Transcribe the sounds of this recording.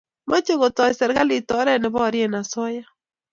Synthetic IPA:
ma˦t͡ʃe˦ɣo˨tɔ˨ɪ˨sɛ˨ɾɣa˦li˨tɔ˨˦ɾɛ˦nɪ˨βɔ˦˨ɾje˦˨na˨sɔ˦ja˦

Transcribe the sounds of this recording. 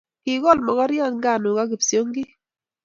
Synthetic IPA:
kɪ˨ɡɔ˦˨lmɔ˨ɡɔ˦ɾjɔ˦˨nɡa˨nʊ˨ka˦ɡɪ˨pso˦ŋɡɪ˦

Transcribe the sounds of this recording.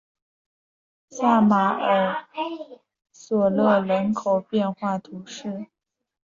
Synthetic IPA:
sa˥˩ma˧˥ə˨˩˥ | swɔ˨˩lɤ˥˧ɻə˧˥nkʰo˨˩ʊpjɛ˥˧nxwa˥˩t̪ʰu˧˥ʂɻ̩˥˩

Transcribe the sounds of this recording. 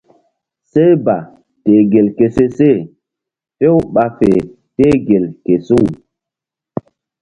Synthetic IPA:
se˦jba˨ | te˨ɡe˨lke˨se˦se˦˨ | fe˦wu˦ɓa˨fe˨ | teː˦ɡe˨lke˨su˦ŋ

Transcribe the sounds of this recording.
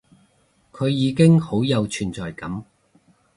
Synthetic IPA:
kʰɵ˨˧ɥjiː˨˧kɪ˥ŋho˨˥wjɐ˨˧wt͡ʃʰyː˨˩nt͡sɔː˨˩jkɐ˨˥m

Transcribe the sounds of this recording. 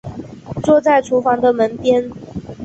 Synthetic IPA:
t͡swɔ˥˧t͡sa˥˩ɪʈ͡ʂʰu˧˥fɑ˧˥ŋd̪ə˨mə˨˧˦npjɛ˥n

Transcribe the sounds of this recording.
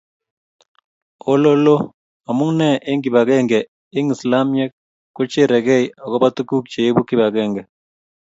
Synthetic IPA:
o˦lo˦lo˦ | a˨mʊ˦ŋnɛ˦˨ʔɪ˦ŋɡɪ˨ba˨kɛ˦ŋɡɛ˨ | ɪ˦ŋɪ˨sla˦mjɛ˦k̚ː | ʊ˦t͡ʃɪ˦ɾɛ˨kɛ˦jɔ˨kɔ˦ba˦tu˦ku˦k̚t͡ʃe˨e˦bu˦ki˦˨ba˨kɛ˦ŋɡɛ˨

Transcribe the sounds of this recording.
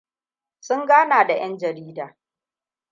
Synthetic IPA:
sʊ˦ŋɡaː˦naː˨da˨j̰ɐ˦nd͡ʒɐ˨ɾiː˦daː˨

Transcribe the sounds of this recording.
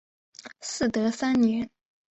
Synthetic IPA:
sɹ̩˥˩t̪ɤ˧˥sa˥nnjɛ˧˥n

